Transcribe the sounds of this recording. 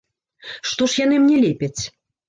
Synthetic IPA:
ʂt̪ɔʂjanɨmnʲɛlʲɛpʲɛt͡sʲ

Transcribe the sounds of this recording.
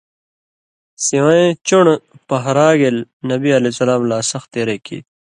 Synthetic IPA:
siwãẽt͡ɕuɳpɐɦɾaːɡelnɐbiɐlesɐlaːmlaːsɐxt̪eːɾekʰḭː

